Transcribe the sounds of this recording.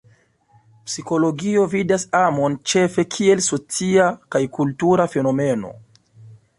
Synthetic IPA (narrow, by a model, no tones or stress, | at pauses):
psiko̞lo̞ɡio̞vidasamo̞nt͡ʃe̞fe̞kʰie̞lso̞t͡siakajkultuɾafe̞no̞me̞no̞̰